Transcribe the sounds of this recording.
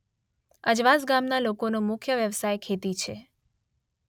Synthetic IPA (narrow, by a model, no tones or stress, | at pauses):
əd͡ʒʋasɡamnalokonomʊkʰjəʋjəʋsajkʰet̪it͡ʃʰe